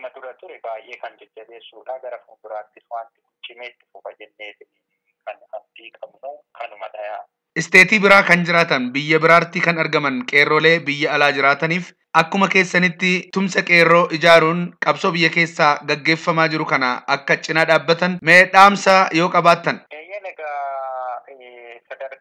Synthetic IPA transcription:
mːɐd̪ʊɾɐt̪ʊɾɛbaːjʔeːkɐnd͡ʒɛd͡ʒːɐbe̞ːsːuːᶑaːɡɐɾɐkʊmbɪɾaːt̪ːɪswaːnt̪ːɪ̥kʊt͡ʃʼːɪmeːt̪ːɪ̥fʊfɐd͡ʒɛnːeːt̪ɪniː | kʰɐnɐfd̪iːkʼɐbnukʰɐnʊmɐᶑɐjaː | ʔɪst̪e̞ːt̪iːbɪɾaːkɐnd͡ʒɪɾaːt̪ɐnbɪjːɐbɪɾaːɾt̪iːkɐnɐɾɡɐmɐnkʼe̞ːrːo̞ːle̞ːbɪjːɐɐlaːd͡ʒɪɾaːt̪ɐniːf | ʔɐkːʊmɐke̞ːsːɐnɪt̪ːɪt̪ʊmsɐkʼe̞ːrːo̞ːʔɪd͡ʒaːɾuːŋkʼɐbsoːbɪjːɐke̞ːsːaːɡɐɡːe̞ːfːɐmaːd͡ʒɪɾʊkɐna̰ɐkːɐt͡ʃʼːɪnaːᶑaːbːɐt̪ɐnmeɛᶑaːmsajo̞ːkʼɐbaːt̪ːɐnʔjɐnɐɡaː | sɐd̪ɐɾ

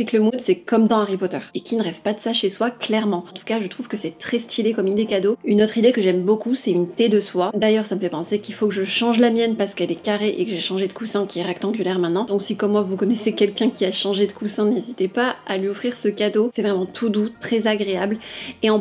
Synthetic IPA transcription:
ikləmud̪sɛkɔmd̪ɑ̃aʁipɔt̪œʁekʲinəʁɛvpad̪əsaʃeswaklɛʁmɑ̃ɑ̃t̪u̥kaʒət̪χuv̥kəsɛt̪χɛst̪ʰilekɔmind̪ekad̪oynot̪χid̪ekəʒɛmbokusɛtynt̪ed̪əswad̪ajœʁsaməfɛpɑ̃sekʲilfokəʒəʃɑ̃ʒlamjɛnpaʁsə̥kɛlɛkaʁeʔekəʒeʃɑ̃ʒed̪əkusɛ̃kʲiɛʁɛkt̪ɑ̃ɡʲylɛʁmɛ̃t̪nɑ̃d̪ɔ̃ksikɔmːwavukɔnɛsekʲɛlkʲɛ̃kʲiaʃɑ̃ʒed̪əkusɛ̃nezit̪epaalɥiɔfχiʁsəkad̪osɛvʁɛmɑ̃t̪ʰud̪ut̪χɛzaɡʁeableɑ̃

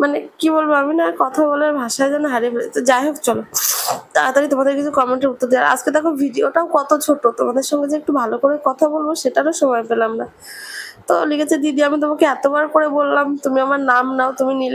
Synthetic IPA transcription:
manekibolbeaminakɔt̪ʰaβɔlaɾbʱaʃaed͡ʑanoɦaɾipelet̪ad͡ʑaeɦokt͡ɕɔlot̪aɾat̪ɔɾit̪omad̪eɾkit͡ɕʰukɔmeɳʈeɾut̪ːoɾd̪iaɾa̰d͡ʑked̪akobʱiɖioʈaokɔt̪ot͡ɕʰoʈot̪omad̪eɾʃɔŋɡed͡ʑeek̚ʈubʱalokoɾekɔt̪ʰabolboʃeʈaɾoʃɔmɔepelamna | t̪olikʰet͡ɕʰed̪iɖiamit̪̬omakeɛt̪obaɾkoɾebolːamt̪umiamaɾnamnaot̪uminile

